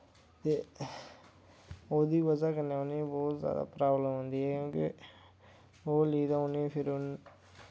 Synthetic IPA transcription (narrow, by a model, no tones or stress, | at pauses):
t̪eː | oːd̪iːʋəzaːkənːeːonĩːbɔːt̪zja̰ːd̪a̰ːpɾaːbləmɦõnd̪iːɦɛːkjõːkɪ | oːliːd̪aːʊnipʰɪɾʊn